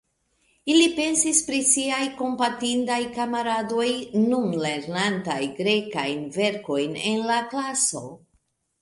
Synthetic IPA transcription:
ilipe̞nsispɾisiajko̞mpatindajkamaɾado̞jnunle̞ɾnantajɡɾe̞kajnve̞ɾko̞jne̞nlaklaso̞̰

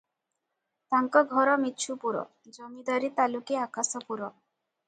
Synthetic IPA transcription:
t̪aŋkɔɡʱɔɾɔmitːt͡ʃʰupuɾɔ̰ | d͡ʒɔmid̪aɾit̪alukeakasɔpuɾɔ

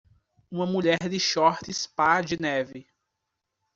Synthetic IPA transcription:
ũmɐmuʎɛɾd̪ɪʃɔɾt̪ɪspad͡ʒɪnɛvɪ

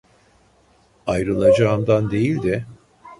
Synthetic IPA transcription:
ajɾɯlˠad͡ʒaːmd̪and̪e̞jilʲd̪ɪ

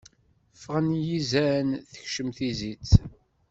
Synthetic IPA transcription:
fʁənjizænθə̥çʃəmθizit͡s

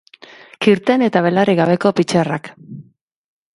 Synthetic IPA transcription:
kiɾt̪e̞ne̞t̪aβ̞e̞lariɣaβ̞e̞ko̞pit͡ʃerak

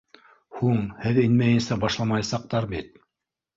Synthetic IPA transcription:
huɴhɘðinmæjɘ̆nsæbɑʃlˠɑmɑjɑsɑq̚t̪ɑɾbit̪̚

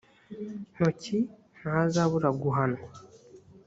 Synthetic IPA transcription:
noci | nazaβuɾaɡuɦano

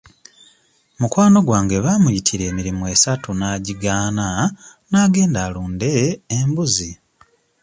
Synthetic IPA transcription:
mukwaːno̞ɡwaːŋɡe̞βamujitʰiɾe̞ːmiɾimue̞satʰunaːɟiɡaːnanaːɡe̞ːndaːluːnde̞ːmbuzi

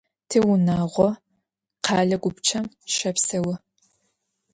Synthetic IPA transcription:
tʰɨwʊnaːʁʷɔ | qʰɑːɮɐɡʷʊpt͡ʃʰɐm | ʃɐpsɐwɐ

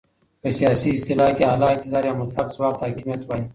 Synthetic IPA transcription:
pəsijaːsiɪst̪ɪlaːkeaːlaːɪk̚t̪ɪd̪aːɾjamʊt̪laqswaːq̚t̪haːkimijɐt̪wai

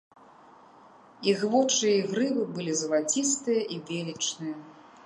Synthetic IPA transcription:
iɣvɔt͡ʂɨjɐiɣɾɨvɨbɨlʲizɐlˠat͡sʲis̬t̪ɨjɐʔivʲelʲit͡ʂnɨjɐ

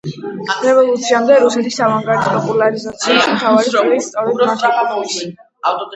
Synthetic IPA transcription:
ɾɛvɔlˠut̪sʰiamd̪ɛɾusɛt̪ʰisːavaŋɡaɾt̪ʰɔpʼɔpʼulaɾizat̪sʰiismt̪ʰavaɾiilist̪sʼɔɾɛd̪asɛt̪s

